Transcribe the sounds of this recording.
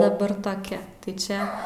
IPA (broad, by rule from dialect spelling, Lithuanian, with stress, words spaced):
dɐˈbɐr toːˈkʲɛ tɐɪ ˈt͡ʃʲɛ